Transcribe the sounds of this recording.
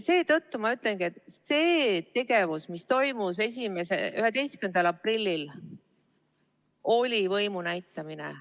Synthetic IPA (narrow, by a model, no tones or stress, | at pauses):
se̞ːt̪ɤt̪ːumɑyt̪ˑleŋɡ̥ie̞t̪se̞ːt̪e̞ɡ̥e̞vusmist̪o̞jmus̬e̞s̬ʲime̞sḛyɦed̪e̞jskymend̪ɑlɑprilʲːil | o̞lʲivɤjmunæjt̪ːˑɑminḛ